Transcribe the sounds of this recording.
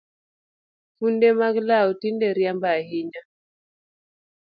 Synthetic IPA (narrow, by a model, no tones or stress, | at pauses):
kundɛmaklaɔtindɛɾjambahiɲa